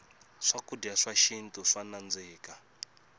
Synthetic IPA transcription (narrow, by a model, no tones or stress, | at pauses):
ʂakudiaʂaʃintʼuʂanand͡ziːka